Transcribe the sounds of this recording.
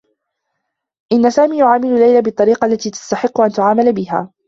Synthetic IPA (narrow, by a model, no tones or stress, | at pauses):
ʔɪnːasaːmiːjʊʕaːmɪlʊlːajlabɨt̪ˤːɑɾiːqɑʔlːat̪iːt̪ḁst̪aħɪqːʊʔant̪ʊʕaːmalbɪɦa̰ː